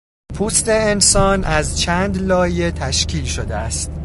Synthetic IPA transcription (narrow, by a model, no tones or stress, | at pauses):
pʰuːst̪e̞ːnsɒːnʔæzt͡ʃʰæːnd̪lɒːje̞t̪ʰæʃcʰiːlʃod̪eæst̪